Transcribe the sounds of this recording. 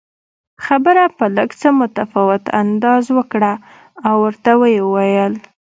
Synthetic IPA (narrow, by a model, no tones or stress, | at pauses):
xabəɾapələɡt͡səmʊt̪afɑwɪt̪a̰nd̪ɑzwəkɽaː | wːəɾt̪awəjewajəl